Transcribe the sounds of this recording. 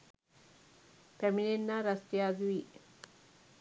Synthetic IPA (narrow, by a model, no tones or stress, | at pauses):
pemininːaɾɐst̪jaːd̪ʋi